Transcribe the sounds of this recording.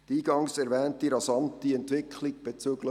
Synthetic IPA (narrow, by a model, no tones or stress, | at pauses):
d̥iːɡɑŋsɛɾvɛːntiɾɑsɑntiɛntvɪkʰliɡb̥et͡søːɡlə